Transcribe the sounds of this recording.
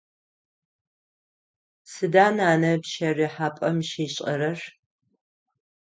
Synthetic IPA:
sɨdaːnaːnɐpʃɐriːħaːpʼɐmʃeːɕʼɐɾɐr

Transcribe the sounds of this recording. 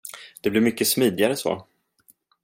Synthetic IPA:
d̪̥ɛblɪɾmʏkːəsmiːd̪ɪaɾəso̰ː

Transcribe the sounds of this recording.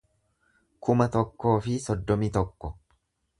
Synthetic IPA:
kʰʊmɐt̪ɔkːo̞ːfɪsɔd̪ːɔmit̪ɔkːɔ

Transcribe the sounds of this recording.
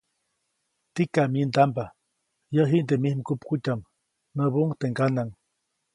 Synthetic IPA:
t̪ikamind̪amba | jəɦiʔnd̪emihmkupkutam | nəbuŋt̪eŋɡanaŋ

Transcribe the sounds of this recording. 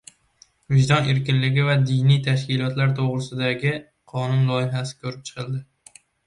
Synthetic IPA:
vɪʒd̪ɒneɾkʲɪnlɪɡʲɪvad̪ɪjnijt̪ʰaʃkʲɪlˠɒt̪laɾt̪ʰoʁɾɪsɪd̪aɡʲɪ | qʰɒnʊnlˠɒjɪɦasɪ̥kʲʰɵɾɪp̚t͡ʃʰɨ̥qʰɨlˠd̪ɪ

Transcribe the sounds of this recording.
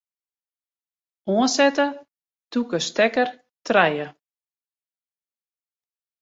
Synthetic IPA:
ɔənsɛtə | tukəstɛkər | trɛjə

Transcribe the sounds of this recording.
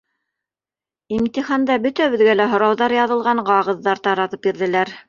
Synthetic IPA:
imt̪ʲiχɑnd̪ɑbɵt̪æwɘ̆ðɡælæɦŏɾɑwðɑɾjɑðɤ̆lˠʁɑɴɢɑʁɤ̆ðːɑɾt̪ɑɾɑt̪ɤp̚biɾðɘ̆læɾ

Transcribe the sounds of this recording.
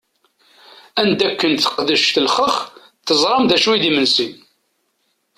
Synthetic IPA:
ænd̪ækːənθə̥qðəʃt̪əlχəχ | θəzˤɾˤɑmðæʃuwiðimənsin

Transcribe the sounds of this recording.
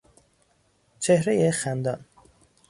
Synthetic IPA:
t͡ʃʰehɾejexænd̪ɒn

